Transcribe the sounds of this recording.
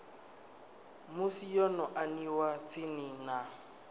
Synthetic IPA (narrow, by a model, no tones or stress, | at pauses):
mʊsijɔnɔʔaniwat͡sʼɪnɪna